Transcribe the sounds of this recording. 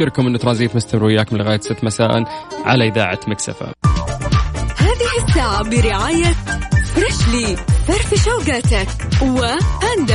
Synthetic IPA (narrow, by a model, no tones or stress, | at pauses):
ɪɾkʊmʔɪnːt̪ɾˤɑnziːt̪mʊst̪amɪɾwɪjːaːkmnlɣaːjat̪sɪt̪ːmasaːʔɪ̰nʕa̰laʔɪða̰ːʕa̰maksa̰fa̰ | haːðɪhɪsːaːʕabɪɾɪʕaːjafɾˤɑʃliːfɑɾˤfɪʃawɡaːt̪ak | wɪʔand̪a